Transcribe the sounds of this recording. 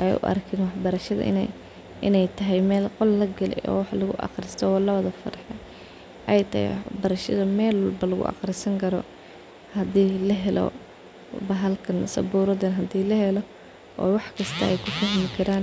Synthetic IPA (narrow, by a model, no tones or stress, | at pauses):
ʔɛjʊ̰ʔɐ̰rkʰɛnwɑħbɐɾɐʃɐðɐ̰ʔɪ̰nɛ̰j | ɪnɛjt̪ʰɐɦɛjmɛːlqɔlːɐɡɐlɛ̰jɔ̰ːwɑħlʊɣʊ̰ʔɑ̰qrɪst̪ʰɔɔːlɐβɐðɐfɐ̰ɾħɛ | ʔɛjt̪ʰɐhɛ̰jwɑ̰ħbɐɾɐʃɐðɐmɛːlwlbɐlʊɣʊ̰ʔɑ̰qrɪsɐŋkʰɐɾɔ̰ | hɐd̪iːlɐɦɛlɔ̰ | bɐɦɐlkʰɐnsɐ̰buːɾɐðɛnɦɐd̪iːlɐhɛlɔ | ʔɔ̰ːwɑħkʰɐst̪ʰɐɛjkʰʊfɐɦmɪkʰɐɾaːn